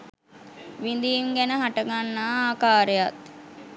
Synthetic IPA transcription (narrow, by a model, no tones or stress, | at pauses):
ʋind̪iːŋɡænəɦaʈəɡanːaːaːkaːɾejat̪